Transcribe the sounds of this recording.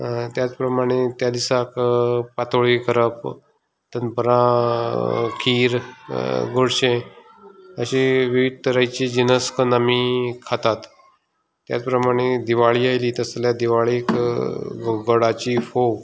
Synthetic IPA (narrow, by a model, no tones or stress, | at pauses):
t̪jat͡spɾəmaɽ̃et̪jad̪isakpat̪oɭikəɾəp | t̪ənpəɾã | kʰiːɾ | ɡoɽɕẽ | əɕiʋiʋid̪̚əɾajt͡ɕiːd͡ʑinəskənəmikʰat̪at̪ː | ja̰t͡spɾəmaɽ̃ed̪iʋaɭiːajliːt̪əsljad̪iʋaɭik | ɡəɽat͡ɕiːfow